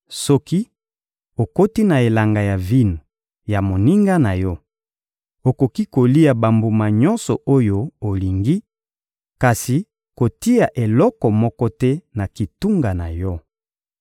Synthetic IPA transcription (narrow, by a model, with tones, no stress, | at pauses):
sɔ˦ki˦ | o˨ko˦ti˦na˨e˨la˨ŋɡa˨ja˨vi˦n˨ | ja˨mo˨ni˦ŋɡa˦na˨jɔ˦ | o˨ko˨ki˦ko˨li˦a˨ba˨mbu˨ma˨ɲɔ̃˦nsɔ˨o˦jo˦o˨li˨ŋɡi˦ | ka˨si˨ | ko˨ti˦a˨ʔe˨lɔ˦kɔ˨mɔ˦kɔ˦tɛ˦na˨ki˨tu˦ŋɡa˨na˨jɔ˦